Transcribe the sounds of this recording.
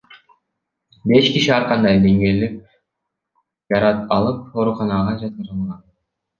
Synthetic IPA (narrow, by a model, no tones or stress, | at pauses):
be̞ʃkiʃiɑɾqɑnd̪ɑjd̪e̞ŋɡelep̚ | d͡ʒɑɾɑt̪ɑlˠɯp̚o̞ɾuqɑnɑʁɑd͡ʒɑt̪̚qɯɾɯlˠʁɑn